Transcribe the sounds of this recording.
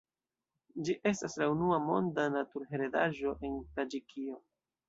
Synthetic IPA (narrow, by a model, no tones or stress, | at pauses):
d͡ʒiʔe̞staslaunuamo̞̰ndanatuɾɦe̞ɾeda̰ʒo̞ʔe̞ntad͡ʒikʰio̞